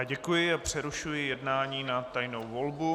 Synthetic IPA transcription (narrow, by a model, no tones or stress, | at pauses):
aɟɛkujɪapr̝̥ɛɾuʃujɪjɛdnaːɲiːnat̪ajno̞wvo̞lbu